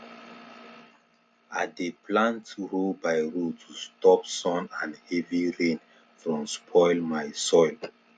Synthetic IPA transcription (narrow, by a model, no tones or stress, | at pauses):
adepʰlãntʰuholbajɹotʰustɔpsɔ̃nãnhɛviɹẽn | fɹɔ̃mspʰɔɪlmajsɔɪl